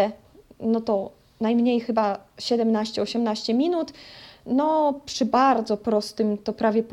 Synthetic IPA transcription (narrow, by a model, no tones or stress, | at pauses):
nɔt̪ɔ | najmɲejxɘbaɕɛd̪ɛmnaɕt͡ɕɛɔɕɛmnaɕt͡ɕɛmʲinut̪nɔpʂɘbaɾd̪zɔpɾɔst̪ɘmt̪ɔpɾavʲjɛp